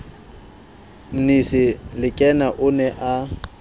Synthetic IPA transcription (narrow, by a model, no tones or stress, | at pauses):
m̩nisɪlɪkʼɛnaʔʊnɛʔa